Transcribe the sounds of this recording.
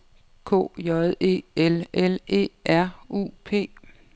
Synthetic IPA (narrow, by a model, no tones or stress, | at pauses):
kʰo̰ːjɒðˠe̝̰ːelele̝̰ːæɐ̰ṵːpʰe̝̰ː